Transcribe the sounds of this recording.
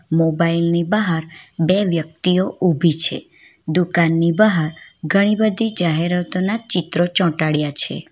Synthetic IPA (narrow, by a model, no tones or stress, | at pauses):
mobailnibəɦaɾbeʋjək̚t̪ioʔubʱit͡ʃʰḛ | d̪ukanːibəɦaɾɡʱəɽ̃ibəd̪ʱid͡ʒaɦeɾət̪onat͡ʃɪt̪ɾot͡ʃɔ̃ʈaɽjat͡ʃʰḛ